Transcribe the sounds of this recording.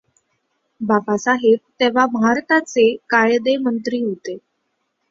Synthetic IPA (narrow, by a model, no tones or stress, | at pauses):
babasaɦeb̚t̪eʋ̤abʱaɾt̪at͡sekajd̪emənt̪ɾiːɦot̪e